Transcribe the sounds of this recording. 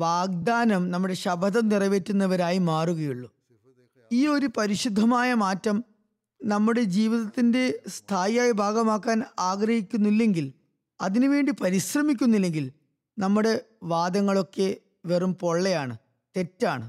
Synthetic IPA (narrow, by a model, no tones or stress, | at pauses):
ʋaːɡ̚d̪aːnɐmnɐmːuɽe̞ɕɐbʱɐðɐmnirɐʋe̞tːunːɐʋɐɾaːjimaːruɣɐjuɭːu | iːo̞ɾupɐɾiɕud̪ʱːɐmaːjɐmaːtːɐm | nɐmːuɽe̞d͡ʑiːʋiðɐt̪ːinde̞st̪ʰaːjaːjibʱaːɡɐmaːkːaːnaːɡɾɐhikʲːunːilːe̞ŋɡil | ɐðinuʋe̞ːɳɖipɐɾiɕrɐmik̬ʲːunːilːe̞ŋɡil | nɐmːuɽe̞ | ʋaːd̪ɐŋːɐɭo̞kːe̞ | ʋerumpo̞ɭːejaːɳɨ | t̪e̞tːaːɳɨ